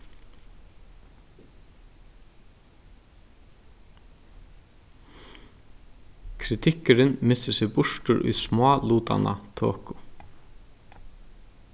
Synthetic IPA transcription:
kʰɾɪt̪ʰɪkɪɾɪnmɪst̪ɪsɛɣbʊʂtʊɾʔʊ̰jsmɑːluːt̪a̰na̰t̪ʰo̰ːkʊ

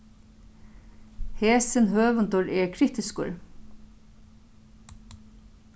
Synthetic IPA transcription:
heːsɪnɦøːʋʏnt̪ʊɹɛɹkʰɾɪt̪ɪskʊ̰ɹ

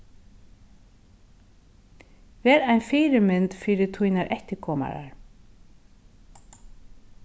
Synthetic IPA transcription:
vɛːɾajnfɪːɾɪmɪnt̪fiːɾɪt̪ʰujnaɾʔɛht̪ɪkʰɔːma̰ɾa̰ɹ

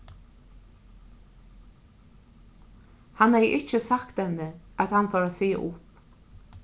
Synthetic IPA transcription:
hanhɛjʔɪt͡ʃəsakt̪hɛnːəat̪hanfaːɾasḭːʔʊp

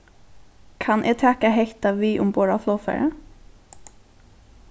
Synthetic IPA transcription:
kʰanʔɛːt̪ʰɛːkaɦɛht̪aʋiːʔʊ̰mboːɹafloːfɛ̰ɹə̰

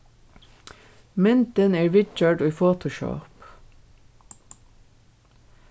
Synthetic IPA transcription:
mʏnt̪əneːɹʋɪt͡ʃœːɖufoːt̪ʊʃo̰ːp

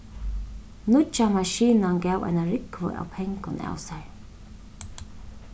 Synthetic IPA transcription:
nʊt͡ʃamaʃiːnanɡaːwʔa̰jnaɾɪkvə̰ʔa̰wpʰɛŋkʊna̰ːwsaɹ

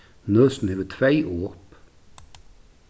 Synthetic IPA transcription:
nøːsn̩heʋət̪ʰʋæɪʔoːp

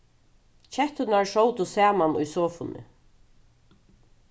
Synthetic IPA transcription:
t͡ʃʰɛht̪ʊnaɹʂɔwt̪ʊsæːmanʊ̰jsɔːfʊnɪ̰

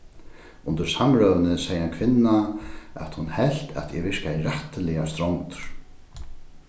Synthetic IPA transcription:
ʊnt̪əɾsamɾœːvənəsejːhankʰvɪnːaa̰t̪hunhɛl̥t̪ʰa̰t̪jɛ̰vɪrkajrɛht̪lɛjast̪ɾownt̪ɾ̥

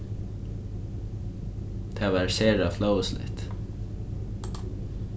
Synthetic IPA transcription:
t̪ʰeːʋɑːɹseːɾɑfləslɪ̰t̪

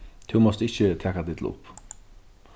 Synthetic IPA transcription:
t̪ʰumɔst̪ɪçət̪ʰɛkad̪ɪt̪l̩ʊ̰p

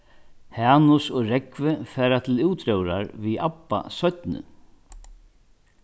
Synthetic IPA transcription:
haːnʊsɔɣɾɛkvɪfɛːɾat̪ʰɪluwt̪ɾœwɾa̰ɾviapːa̰sœt̪nɪ̰

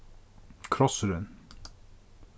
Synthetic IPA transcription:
kʰɾɔsəɾən

